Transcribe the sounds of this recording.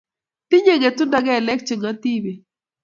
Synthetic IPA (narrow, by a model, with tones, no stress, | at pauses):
t̪ɪ˦ɲe˦ŋe˨t̪ʊ˦nda˨˦ɡɛ˦˨lɛ˦k̚t͡ʃɪ˨ŋa˦t̪i˦be˨